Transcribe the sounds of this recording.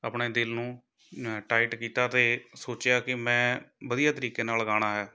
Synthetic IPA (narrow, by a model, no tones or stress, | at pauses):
əːpɳeːd̪ɪlnũː | ʈaːɪʈkiːt̪aːt̪eːsoːt͡ʃjaːkɪmɛ̃ːʋəd̪ijaːt̪əɾiːkeːnaːlɡaːɽ̃aːɦɛː